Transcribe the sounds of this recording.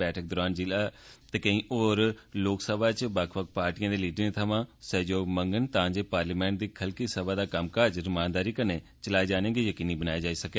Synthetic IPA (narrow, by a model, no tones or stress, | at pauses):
bɛːʈʰək̚d̪ɔɾaːnd͡ʒɪlaːt̪eːkəĩːʔoːɾloːksəbaːt͡ʃbəkʰbək̚paːɾʈijãːd̪eːliːɖəɾẽːt̪ʰəʋãːsɛːd͡ʒoːməŋɡənt̪ãːd͡ʒeːpaːɾliːmɛ̃ːɳʈ̚d̪iːkʰəlkiːsəbaːd̪aːkəmkaːɾd͡ʒɾəmaːnd̪aːɾiːkəneː | t͡ʃəlaːeːd͡ʒaːnẽːɡiːjəkiːniːbənaːjed͡ʒaːiːsəkeː